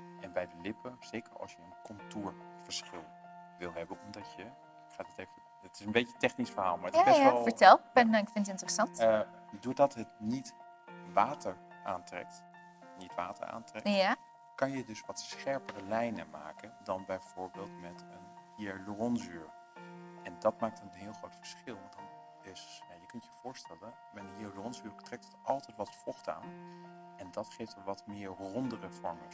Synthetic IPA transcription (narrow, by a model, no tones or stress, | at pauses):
ʔɛnbɛjdəlɪpʰənz̥eːkəɹɑ̰lˠsjəənkʰɔntuːɹv̥əɹsχɪlˠʋɪlˠɦɛbənɔmdɑtjə | ɪkχaːtətevə | ətɪsənbejtətɛχnisfəɹɦaːlˠmaːɹətjɛsɔlˠfətɛlˠpɛnɪkfɪnətɪntərəsɑntdoːɹdɑtɦətnit | ʋaːtəɹ | ʔaːntrɛ̰k̚t | nitʋa̰ːtə̰ɹa̰ːntrɛka | kɑnjədɵsʋɑtsχɛɹpərəlɛjnəma̰ːkəndɑnbɛjv̥ʊːɹbeːlˠtmɛtəniəlurɔnsyːɹ | ɛndɑtmaːk̚tənnɦɪːlˠχrowtfə̥ɹsχɪlˠdɑt | dɪsjaːjəkɵntjəv̥ʊːɹstɛlən | mailuɔnsyːɹtrɛk̚tʰətɑlˠtɛjtʋɑtfɔχta̰ːn | ɛndɑtχejftʋɑtmɪːɹrɔndərəfɔɹmə